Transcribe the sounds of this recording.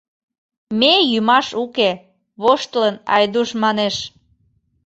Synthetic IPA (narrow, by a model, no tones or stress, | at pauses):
mejymɑʃuke | βoʃt̪ələnɑ̰jd̪uʃmɑneʃ